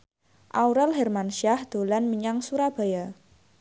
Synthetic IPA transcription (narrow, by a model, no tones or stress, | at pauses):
ʔauɾɛlɦɛrmanʃiahd̪̥o̤lanmiɲaŋsuɾab̥a̤ja